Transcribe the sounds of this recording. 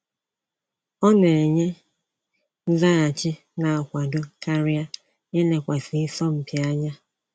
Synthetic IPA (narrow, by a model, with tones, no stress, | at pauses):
ɔ˦ne˨ɲe˦ | n̩˦za˦a˨t͡ʃɪ˦ | na˨a˨kʷa˨dʊ˦ka˦ɾi˦a˦ | e˦ne˨kʷa˨si˨i˦sɔ˦m̩˦pi˨a˦ɲa˦